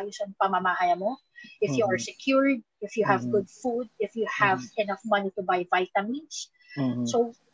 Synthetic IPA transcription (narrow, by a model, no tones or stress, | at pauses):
josɐŋpɐmamaʔaːjɐmo | ʔɪfjuɐɹsɛkʰjuɹd̪̚ɪfjuhɐvɡʊd̪̚fud̪̚ɪfjuhævɛnɐfmɐnit̪ʊbajvajt̪ɐmins | so